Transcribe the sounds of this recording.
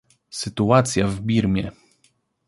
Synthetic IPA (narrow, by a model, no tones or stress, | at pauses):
sɘt̪uat̪sʲjavbʲiɾmʲjɛ̰